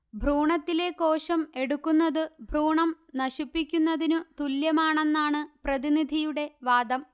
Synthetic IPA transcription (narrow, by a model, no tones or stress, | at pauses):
bʱruːɳɐt̪ːile̞ko̞ːɕɐme̞ɽukːunːɐðɨbʱruːɳɐm | nɐɕipːikʲːunːɐðinɨt̪uljɐmaːɳe̞nːaːɳɨprɐðinid̪ʱijuɽe̞ʋaːd̪ɐm